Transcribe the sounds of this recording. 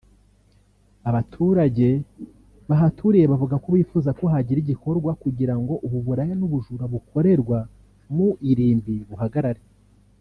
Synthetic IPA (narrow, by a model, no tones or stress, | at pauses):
aβatʰuɾaɟe̞ | βaɦatʰuɾijeβavuɡakoβiːfuːzakoɦaɟiɾiɟikʰo̞ɾɡwakuɟiɾaŋɡo̞ʔuβuβuɾajanuβuʒuɾaβukʰo̞ɾe̞ɾɡwa | muʔiɾiːmbiβuhaɡaɾaɾe